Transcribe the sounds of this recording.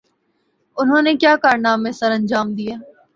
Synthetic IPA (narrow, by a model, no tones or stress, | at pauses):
ʊnɦõːnekjaːkaːɾnaːmẽsəɾə̃nd͡ʒaːmd̪ijaː